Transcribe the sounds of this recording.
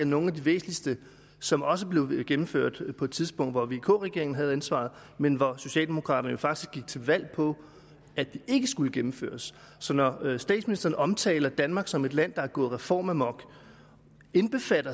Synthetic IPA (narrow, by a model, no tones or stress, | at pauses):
æno̝ːn̩æd̥iʋe̝̰ːsn̩lisd̥ə | sɒ̽mɒ̽s̬əb̥le̝ʊɡ̥emm̩fø̰ɐ̰d̥pʰɒ̽e̝d̥t͡sʰiðˠsb̥ɔ̽ŋ̰d̥ʋɒʋe̝kʰɔ̰ːʁɛɡ̥e̝ɐ̰eŋn̩ɦæð̞̩ˠænsʋɑ̰̈ð̩ˠ | menʋɒso̝ɕɛ̰ːld̥e̝mo̝kʰʁɑ̰̈ːɾɐnəjo̝fɑ̈ɡ̥d̥isɡ̥iɡ̥̚t͡sʰe̝ʋæl̰pʰɒ̽ | æd̥ie̝ɡ̥əsɡ̥uləɡ̥emm̩fø̰ːɐsː | ɒ̽nɒsd̥ɛ̰ːd̥sminisd̥ɐːn̩əʔɒ̽mt͡sʰɛ̰ːlɐd̥ænmɑ̈ːɡ̥sɒ̽me̝d̥læn̰d̥ɑæɡ̥ɔ̽ːð̩ˠʁɛfɒ̰ːmæmɒ̽ɡ̥ | enb̥e̝fæɾ̥ɐ